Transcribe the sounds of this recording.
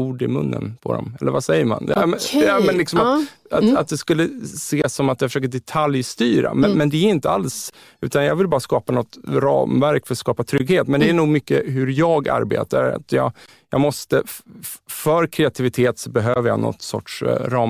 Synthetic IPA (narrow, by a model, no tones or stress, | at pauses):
uːɖɪmɵnːə̰npʰɔ̰d̪ɔ̰mɛlːəɾvasɛjːəɾma̰n | mɛnlɪksɔmaat̪at̪̚d̪ɛskɵlːəseːsɔmat̪jafœʂøːkəɖ̪ɛt̪ʰaljst̪yːɾa̰mɛnmɛnd̪ɛæɾɪnt̪əals | ʉ̟ːt̪anjɑːɡvɪlbɑːɾaskɑːpanɔt̪ɾɑ̰ːmvæɾkfœɾskɑːpat̪ʰɾʏɡheːt̪mɛnd̪ɛæɳuːɡmʏkːəɦɵɾjɑːɡa̰ɾbḛːt̪aɾa̰t̪jɑ̰ː | jɑːɡmɔst̪ə | fœɾkʰɾɛat̪ʰɪvɪt̪ʰeːt̪sɔbɛɦøːvəɾja̰nɔ̰t̪ːsɔ̰ʈʂɾɑː